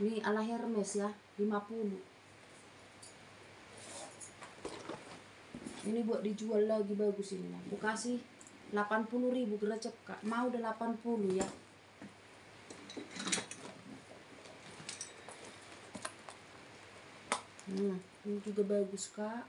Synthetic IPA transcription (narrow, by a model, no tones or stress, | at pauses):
nialaɦɛrmɛsla | limapulu | inibuaʔ̚did͡ʒualːaɡibaɡusinilapukasih | lapanpuluɾibuɡərat͡ʃəkːa̰ʔmaudalapanpuluja | nd͡ʒuɡabaɡuska